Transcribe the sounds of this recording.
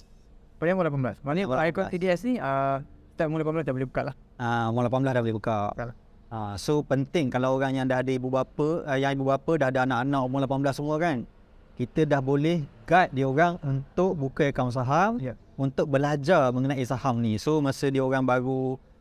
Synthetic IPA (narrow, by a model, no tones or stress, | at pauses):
padãwãlapanbəlasmaniakɔt̪idiɛsniəi̥t̪amulapanmblast̪iabolɪhbəkaʔlah | awalapanblasdahbolɛhbəka | asopənt̪ɪŋkalawoɾaŋjaŋdaɦadəibubapəjaŋibubapədaɦadaanaʔanaʔwaŋlapanbəlasəmuəkan | kit̪ədahbolɛhɡat̪̚dioɾaŋunt̪ʊk̚bukakams̬aɦamj | unt̪ʊk̚bəlad͡ʒarmə̃ŋənaʔisahamnisomasədioɾaŋbaɾu